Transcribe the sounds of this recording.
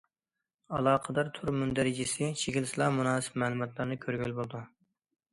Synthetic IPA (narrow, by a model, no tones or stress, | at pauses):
ɑlˠɑːqʰəd̪ɑɾt̪ʰuɾmund̪æɾɪd͡ʒisɪt͡ʃʰeɡʲilsɨlˠɑmunɑːsɨ̥pmæːlˠɨmɑt̪ʰlˠɑɾnɨkʲʰøɾɡʲylbolˠd̪u